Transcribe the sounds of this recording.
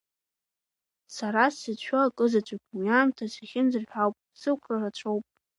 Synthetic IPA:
saɾasɨt͡ɕʷʰaakʼɨzat͡ɕʷʼakʲʷʼujaːmtʰasaχʲɪnzɨrħʷᶣawpʼsɨkʷʰrarat͡ɕʷʰowpʼ

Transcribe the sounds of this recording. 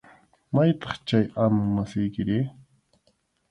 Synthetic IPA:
majt̪ɑ̥χt͡ʃajamʊŋmasɪjkɪɾɪ

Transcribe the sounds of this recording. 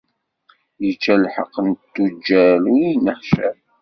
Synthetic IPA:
jət͡ʃːælħə̰qːənt̪ːud͡ʒːæluinəħʃæ

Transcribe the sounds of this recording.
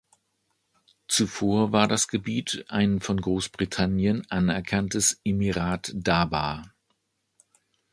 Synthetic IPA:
t͡sufoːɐvaːɐdasɡ̥əbiːtʔaɪnfɔnɡʁoːsb̥ʁitʰanjənʔanɛɐkʰantəsʔemiʁaːtd̥aːbaː

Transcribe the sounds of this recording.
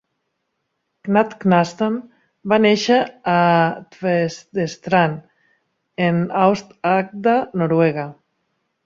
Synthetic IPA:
knat̪knast̪an | baneʃaat̪vesd̪est̪ɾan | enawst̪ak̚d̪anoɾweɣa

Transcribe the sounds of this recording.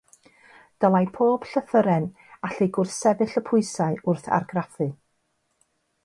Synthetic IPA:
d̥əlˠajpʰoːb̥ɬəθəɾɛn | aɬɪɡʊrsɛvɨɬəpʰʊɨsaɨʊrθa̰rɡrafɨ

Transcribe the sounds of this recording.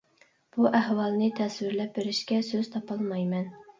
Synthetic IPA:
b̥uʔæɦwɑlˠnɨt̪ʰɛswɪɾlɛp̚bɪɾɪʃkʲɛsøz̥t̪ʰɑpɑlˠmɑjmɛn

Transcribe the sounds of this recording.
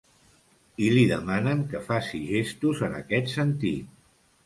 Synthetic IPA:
iliðəmanəŋkəfasiʒest̪uzənə̰kɛt̪sənt̪ḭt̪̚

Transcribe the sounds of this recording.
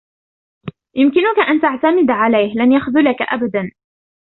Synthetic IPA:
jʊmkɪnʊkaʔant̪aʕt̪amɪd̪ʕalajhlanjaxðʊlakaʔabad̪an

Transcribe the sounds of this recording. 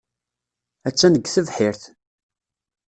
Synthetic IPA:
æt͡sːænəɡθəvħɪɾθ

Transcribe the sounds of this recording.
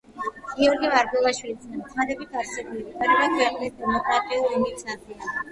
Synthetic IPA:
ɡ̥iɔɾɡimaɾɡwɛlˠaʃwilit̪snɛmt̪ʰad̪ɛbit̪ʰaɾsɛbulibik̪ʼaɾɛɡakʰɛqʼlisd̪ɛmɔkʼɾat̪ʼiulˠimisatʰis

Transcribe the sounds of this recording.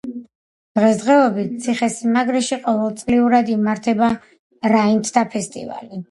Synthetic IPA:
d̪̥ʁɛsd̪ʁɛɔbit̪̚t̪sʰiχɛsimaɡɾɛʃiqʼɔvɛlˠt̪sʼliuɾad̪imaɾt̪ʰɛba | ɾaint̪ʰd̪apʰɛst̪ʼḭva̰li

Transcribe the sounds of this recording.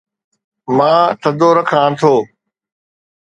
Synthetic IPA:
mãːt̪ʰəd̪oːɾəkʰãːt̪ʰoː

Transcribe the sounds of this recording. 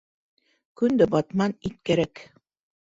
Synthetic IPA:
kɵ̆nd̪ɘbɑt̪mɑnit̪̚kæɾæk

